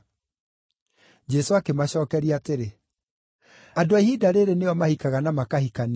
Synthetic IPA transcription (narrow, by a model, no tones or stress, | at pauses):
d͡ʒɛsoakemaɕɔːkɛɾiateɾe | adoaihidaɾeɾeneɔmahikaɣanamakahikan